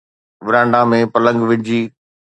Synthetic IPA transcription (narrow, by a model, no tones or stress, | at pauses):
ʋɪɾãːɳɖamẽpɐlə̃ŋɡʋɪ̃d͡ʑiː